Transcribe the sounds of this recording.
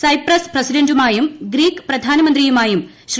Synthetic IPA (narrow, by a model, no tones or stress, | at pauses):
sɐjprɐsprɐsidɐndumaːjumɡɾiːkːɨ̥prɐd̪ʱaːnɐmɐnd̪rijumaːjum | ɕ